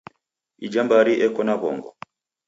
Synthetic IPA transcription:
id͡ʒambaɾiʔɛkɔnaβɔ̰ŋɡɔ̰

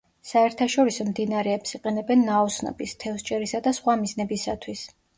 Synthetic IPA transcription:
saɛɾt̪ʰaʃɔɾisɔmd̪inaɾɛːpsiqʼɛnɛbɛnːaɔsnɔ̰bist̪ʰɛfst͡ʃʼɛɾisad̪asχwamiznɛbisat̪ʰwis

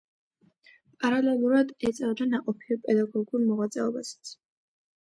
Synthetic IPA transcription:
pʼaɾalɛlˠuɾad̪ɛt̪sʼɛvd̪anaqʼɔpʰiɔpʼɛd̪aɡɔɡuɾmɔʁwat̪sʼɛɔbasḁt̪sʰ

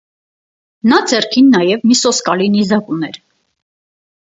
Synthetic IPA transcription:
nɑd͡zɛrkʰinːɑjɛvmisɔskɑlinizɑkunɛɾ

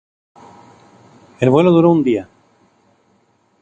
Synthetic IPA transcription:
elβwe̞loðuɾound̪ia

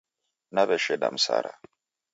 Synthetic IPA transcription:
naβɛʃɛɗam̩sa̰ɾa

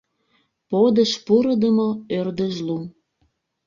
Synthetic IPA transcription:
pod̪əʃpuɾəd̪əməørd̪əʒlu

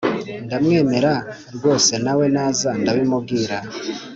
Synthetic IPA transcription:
ndamŋe̞ːme̞ɾa | ɾɡo̞ːse̞nawe̞naːzandaβimub̚ɡiːɾa

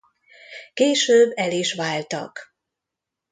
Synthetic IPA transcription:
keːʃøːbːɛliʃʋaːlt̪ɒ̰k

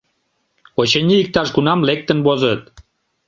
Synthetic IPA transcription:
ot͡ɕənʲiːk̚t̪ɑʃɡunɑmlek̚t̪ənβozət̪̚

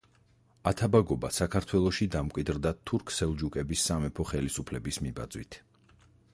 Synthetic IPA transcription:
at̪ʰabaɡɔbasakʰaɾt̪ʰwɛlˠɔʃid̪amkʼwid̪ɾd̪at̪ʰuɾkʰsɛlˠd͡ʒukʼɛbisːamɛpʰɔχɛlisupʰlɛbismiba̰d̪zwḭt̪ʰ

